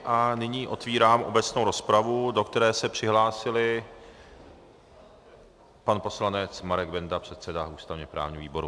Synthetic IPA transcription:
ʔanɪɲiːʔo̞t̪viːɾaːmʔo̞̰bɛt͡sno̞wɾo̞spɾavudo̞kt̪ɛɾɛːsɛpr̝̥ɪɦlaːsɪlɪ | panpo̞slanɛt͡smaɾɛɡ̚bɛndapr̝̥ɛt̪sɛdaʔuːst̪avɲɛpɾa̰ːvɲiviːbo̞ɾṵ

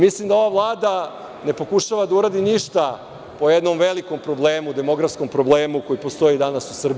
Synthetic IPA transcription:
mislimd̪ao̞ʋaʋlˠaːd̪a | ne̞po̞kuʃaʋad̪auɾaːd̪iniʃt̪a | po̞jed̪no̞mʋe̞liko̞mpɾo̞ble̞ːmud̪e̞mo̞ɡɾafsko̞mpɾo̞blˠeːmuko̞jipost̪o̞id̪anasusr̩bi

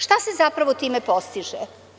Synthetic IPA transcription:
ʃt̪ase̞zapɾaʋot̪iːmepost̪iʒɛ

